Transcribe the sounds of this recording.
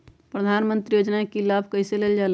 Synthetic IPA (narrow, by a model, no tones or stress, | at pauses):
pɾəd̪ʱaːnmə̃nt̪ɾijoːd͡ʒnaekilaːbʱkəɪseleld͡ʒaːl